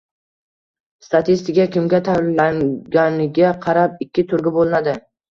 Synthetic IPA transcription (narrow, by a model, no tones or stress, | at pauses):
st̪at̪ʰist̪ɪkʲakʲɪmɡʲat̪ʰaaŋɡʲanɪɡʲaqʰɑɾapɪkʲʰːɪt̪ʰʊɾɡʲɪbolˠɪnad̪ɪ